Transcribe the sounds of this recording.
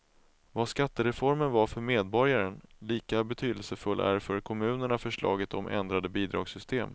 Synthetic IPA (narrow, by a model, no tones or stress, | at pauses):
vaskat̪ːəɾɛfɔɾmənvaɾfœɾmeːd̪bɔɾjaɾənliːkabɛt̪ʰyːd̪əlsəfɵlːʔæ̰ɾfœɾkʰɔmʉ̟ːnəɳafœʂɭɑ̰ːɡət̪ʰɔmʔɛ̰nd̪ɾad̪əbiːd̪ɾɑ̰ːɡsʏst̪ʰeːm